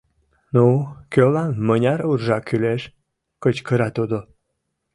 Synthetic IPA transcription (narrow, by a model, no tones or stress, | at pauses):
nukølanmənʲɑɾurʒɑkyleʃ | kət͡ɕkəɾɑt̪ud̪o